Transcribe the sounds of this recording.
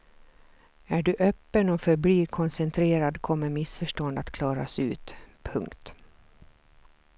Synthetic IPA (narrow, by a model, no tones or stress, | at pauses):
æɖɵʔøːpːənɔfœɾbliːɾkʰɔnsɛnt̪ʰɾeːɾad̪kʰɔmːəɾmɪsfœʂʈɔnd̪at̪kʰlɑːɾa̰sʉ̟̰ːt̪pʰɵ̰ŋkt̪